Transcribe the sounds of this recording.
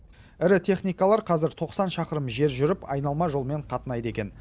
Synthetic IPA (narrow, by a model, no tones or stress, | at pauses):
ɪɾɪt̪ʰe̞χnijkɑlˠɑɾqʰɑzɪɾt̪ʰo̞qsɑnʃɑqəɾəmʒe̞ɾʒʏɾɪpɑ̰jnɑlˠmɑʒo̞lˠme̞ɴqʰɑt̪ənɑjd̪əe̞kʲe̞n